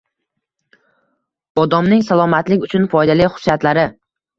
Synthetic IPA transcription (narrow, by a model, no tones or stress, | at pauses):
ɒd̪ɒmnɪŋsalˠɒmat̪lɪkʲʊt͡ʃʰʊnfɒjd̪alɪjχʊ̥sjat̪laɾɪ